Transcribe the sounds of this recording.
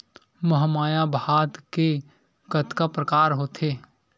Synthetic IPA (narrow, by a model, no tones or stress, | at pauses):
məɦmaːjabʱaːd̪ke | kət̪kapɾəkaːɾɦoːt̪ʰeː